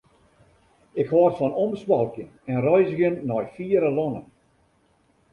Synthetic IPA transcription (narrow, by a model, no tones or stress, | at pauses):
ɪkʰhʋɔːrtfɔnɔməsbɔlˠkjənɛnrɔjzəɣənːɔjfiːəɾəlɔnən